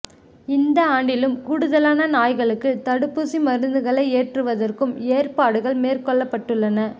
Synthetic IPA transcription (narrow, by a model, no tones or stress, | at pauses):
ɪnd̪ɐaːɳɖɪlɯmkʊɽɯðɐlaːnɐnaːjɣɐɭɯkːɯt̪ɐɽɯpːɯsimɐɾɯnd̪ɯɣɐɭɐɪeːʈrɯʋɐðɐrkɯmeːrpaːɽɯɣɐɭmeːrkɔɭːɐpːɐʈːɯɭːɐnɐ